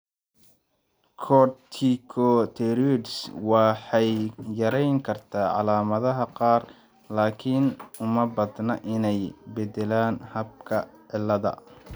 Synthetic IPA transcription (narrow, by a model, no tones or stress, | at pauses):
kʰɔt̪ʰikʰɔt̪ʰɛɾidswɑħɑjːɐɾɛjŋkʰɐrt̪ʰaːʕɑ̰laːmɐðɐɦɐqɑːr | laːkʰɪnʊmɐbɐd̪nɐʔɪnɛjbɛd̪ɛlaːnhɐb̚kʰɐʕɪlːɐðɐ̰